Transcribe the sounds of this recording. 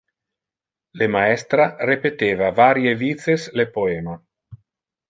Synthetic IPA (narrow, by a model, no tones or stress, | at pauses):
lemaɛst̪ɾarepet̪eːvavaːɾjevit̪seslepoɛːma